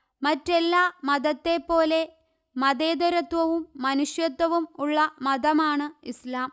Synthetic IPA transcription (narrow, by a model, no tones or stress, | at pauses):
mɐtːelːaːmɐðɐt̪ːe̞pːo̞ːle̞ | mɐðeːd̪ɐɾɐt̪ʋɐʋumːɐnuʂjɐt̪ːwɐʋumuɭːɐmɐd̪ɐmaːɳɨislaːm